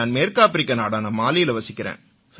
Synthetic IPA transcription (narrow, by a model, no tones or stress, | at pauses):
aːnmeːɾkaːpɪɾɪkːɐnaːɽaːnaːmaːlɪjɪlɐʋɐsɪkːɪɾḛːn | s